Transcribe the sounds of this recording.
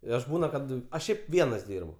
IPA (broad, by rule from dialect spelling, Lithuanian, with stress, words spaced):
ɪ ˈɐʃ ˈbuːnɐ ˈkɐt ɐʃ ˈʃʲɛɪp ˈʋʲiɛnɐs ˈdʲiːrbʊ